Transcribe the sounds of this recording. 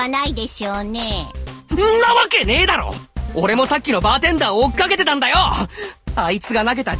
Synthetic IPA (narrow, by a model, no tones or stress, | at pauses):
anaid̪e̞ɕoːneɯ̃nːaβake̞ne̞ːd̪aɾo̰oɾe̞mo̞sakʲːino̞baːt̪ẽ̞nd̪aoːkʲi̥kake̞t̪e̞t̪ãnd̪ajo̞ | ait͡sɨɡanaɡe̞t̪a